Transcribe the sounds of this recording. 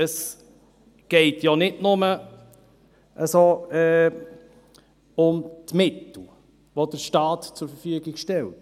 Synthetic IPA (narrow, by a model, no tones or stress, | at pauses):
əs | ɡ̥ɛɪtjɑnɪdnʊmə | ʔəsoɛː | ʊmtmɪtl̩ | ʋod̥əɾʃtɑːtt͡sʊɾfəɾfyəɡɪɡʃtɛlt